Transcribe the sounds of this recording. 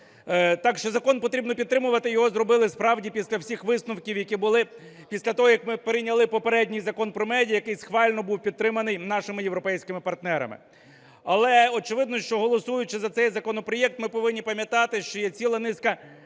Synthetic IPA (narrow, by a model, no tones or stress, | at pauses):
t̪ɑkʃt͡ʃɔzɐkɔnpɔt̪ɾʲibnɔpʲid̪̚t̪ɾɪmʊʋɐt̪ɪjɔɦɔzrɔbɪlˠɪspɾɑwdʲipʲisʲlʲɐwsʲixʋɪsnʊwkʲiwjɐkʲibʊlˠɪpʲisʲlʲɐt̪ɔɦɔjɐkmɪpeɾɪnʲɐlˠɪpɔpeɾɛdʲnʲijzɐkɔnpɾɔmɛdʲijɐjɐkɪjsxʋɑlʲnɔbuwpʲid̪̚t̪ɾɪmɐnɪjnɑʃɪmɪjewɾɔpɛjsʲkɪmɪpɐrt̪nɛɾɐ̰mɪ̰ | ɐlˠɛɔt͡ʃɪʋɪd̪nɔʃt͡ʃɔɦɔlˠɔsujʊt͡ʃɪzɐt̪sɛjzɐkɔnɔpɾɔjɛk̚t̪mɪpɔʋɪnʲːipɐmʲjɐt̪ɑt̪ɪʃt͡ʃɔjɛt͡sʲilˠɐnɪskɐ